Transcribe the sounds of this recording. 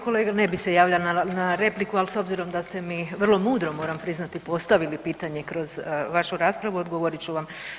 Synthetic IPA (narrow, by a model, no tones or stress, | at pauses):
ko̞leːɡane̞bise̞jaːʋʎalnanaɾe̞plikualso̞bziɾo̞md̪ast̪e̞miʋr̩lˠo̞muːd̪ɾo̞mo̞ːɾampɾiznat̪ipo̞st̪aʋilipiːt̪aɲe̞kɾo̞zʋaʃuɾaːspɾaʋuod̪ɡoʋo̞ɾit͡ɕuʋam